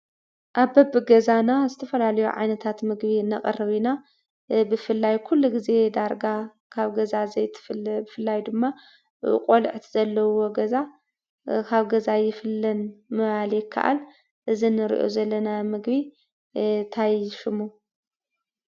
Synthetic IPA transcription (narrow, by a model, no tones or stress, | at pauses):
ʔaβbɐbɨɡɐzanazɨt̪ʰɐfɐlalɐjuʕa̰jnɐt̪ʰat̪mɨɡbinɐχʼɐrɨβina | bɨfɨlːajkʰulːuɡize̞d̪aɾɡa | kʰaβɡɐzazɐjt̪ʰɨ̥flbɨfɨlːajd̪ɨmːa | kʼolʕt̪ʰz̥ɐlːɐwo̞ɡɐza | kʰaβɡɐzajɪfɨlːɐnmɨβaljɪkʰːa̰ʔa̰l | ʔɨzinɨɾḭʔo̰zɐlːɐnamɨɡbi | t̪ʰajʃɪmu